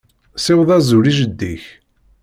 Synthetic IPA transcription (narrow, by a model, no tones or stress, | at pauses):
sɪwðˤæzuɾiʒəd̪ːiç